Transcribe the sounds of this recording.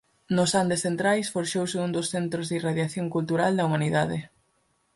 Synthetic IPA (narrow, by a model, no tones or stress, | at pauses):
nʊsand̪esθent̪ɾajsfoɾʃowseund̪ʊsθent̪ɾʊzðiraðjaθjoŋkult̪uɾald̪ɐumaniðaðɪ